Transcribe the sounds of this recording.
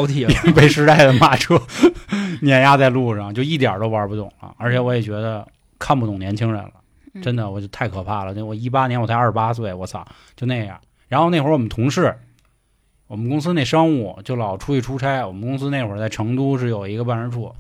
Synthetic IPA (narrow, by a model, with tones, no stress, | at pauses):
t̪ʰi˨˩˥ŋpe˥˩ɪʂɻ̩˥t̪a˥˩ɪd̪ə˩ma˥˩ʈ͡ʂʰu˥˩ | njɛ˨˩nja˥t͡sa˥˧ɪlu˥˧ʂɑ˥˩ŋt͡ɕjo˥˧ʊi˥˩t̪̬jɑ̰˨˩t̪o˥ʊpə˞˧˥pu˥˩t̪ʊ˨˩ŋlə̰˦ə̰˞˧˥t͡ɕʰɛ˨˧˩wɔ˧˥jɛ˨˩t͡ɕɥɛ˧˥d̪ə˧ | kʰa˥˩˧npu˥t̪ʊ˨˩ŋnjɛ˧˥nt͡ɕʰi˥ŋɻə̰˧˥nlə̰˧ | ʈ͡ʂə˥nd̪ə˨wɔ˨˩t͡ɕo˥˩ʊt̪ʰa˥˩ɪkʰɤ˨˩pʰa˥˩lə˩˥˧wɔ˨˩i˥pa˥nʲjɛ˧˥nwɔ˨˩tʰa˥˧ɐ˞˥˩˥pa˥swe˥˩ɪwɔ˧˥sɑ̰˨˩˦ | t͡ɕjo˥˧ʊna˥˩ɪjɑ̰˥˩ | ɻa˧˥nxo˥˧ʊne˥˩xə˧˥wɔ˨˩mə˦nt̪ʰʊ˧˥ŋʂɻ̩˥˩ | wɔ˨˩mə˦nkʊ˥ŋs̬ɹ̩˥˧ne˥˩ɪʂɑ˥ŋu˥˩t͡ɕjo˥˩ʊlɑ˨˩ʊʈ͡ʂʰu˧˥i˥˩ʈ͡ʂʰu˥ʈ͡ʂʰa˥ɪwɔ˨˩mə˦nkʊ˥ŋsɹ̩˥ne˥˩ɪxwə˧˥t͡sa˥˩ɪʈ͡ʂʰɤ˧˥ŋt̪u˥ʂ̬ɻ̩˥˩jo˨˩ʊi˧˥ɡə˧pa˥˩nɻə˧˥ʈ͡ʂʰu˥˩